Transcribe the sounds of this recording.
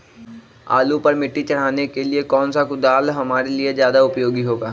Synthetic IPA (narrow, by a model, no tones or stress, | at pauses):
a̰ːlupɐɾmɪʈːit͡ʃɐɽ̤aːnekeliekɔːnsakʊd̪aːlɦɐmaːɾeliezjaːd̪aʊpjoːɡiɦoːɡaː